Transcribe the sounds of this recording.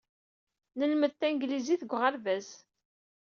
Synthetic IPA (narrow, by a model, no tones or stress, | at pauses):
nəlməðθæŋɡliziθəɡʷʁəɾvæz